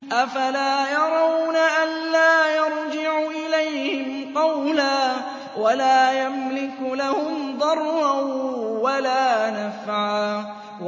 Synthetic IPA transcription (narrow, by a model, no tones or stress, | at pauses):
ʔafalaːjɑɾˤɑwnaʔanlaːjɑɾˤd͡ʒɪʕʊʔɪlajhhɪmqɑwlaː | walaːjamlɪklahʊmd̪ˤɑɾˤːawalaːnafʕaː